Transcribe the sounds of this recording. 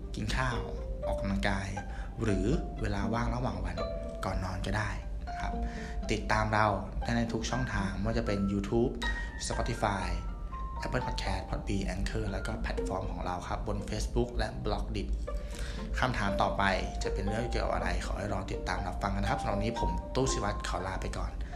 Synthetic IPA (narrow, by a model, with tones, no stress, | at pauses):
ki˧nkʰaː˥˩wʔɔː˨˩kːa˧mla˧ŋkaː˧j | ɾɯː˩˦weː˧laː˧waː˥˩ŋɾa˧waː˨˩ŋwa˧n | kɔː˨˩nːɔː˧nka˧˩daː˥˩j | na˦˥kʰa˦˥p̚ | t̪i˨˩t̪ːaː˧mɾa˧wdaː˥˩na˧˩jt̪ʰu˦˥k̚t͡ɕʰɔ˥˩ŋt̪ʰaː˧ŋmɯ˥˩˨t͡ɕa˨˩pe˧njuː˧t̪ʰuː˦˥p̚ | sa˧pɔː˧˥t̪i˧faː˧jʔɛ˦˥pʰːɤː˥˩pʰːt̪̚kʰɛː˦˥t̪̚pʰɔ˦˥t̪̚biː˧ʔɛ˧nkʰɤː˥˩lɛː˦˥wkɔː˥˩pʰɛ˨˩t̪̚fɔː˧mkʰɔː˩˦ŋɾa˧wkʰa˦˥p̚bo˧nfeː˦˥sbu˦˥k̚lɛ˦˥ʔblɔ˦˥k̚di˨˩p̚ | kʰa˧˩mt̪ʰaː˩˦mt̪ɔː˨˩pa˧jt͡ɕa˨˩ʔpe˧nnɯ˥˩ki˧˨˩ka̰˨˩ʔa̰˧ɾa˧jkʰa̰ː˩˦ha˥˩jɾɔː˧t̪i˨˩t̪ːaː˧mla˦˧˥pfa˧ŋka˧n˧k̚ʰsa˧˥nɔ˨˩˦niː˦˥pʰo˩˦mt̪uː˥˩si˨˧˩wa˦˥t̪̚kʰa˨˦wlaː˧pa˧jkɔː˨˩n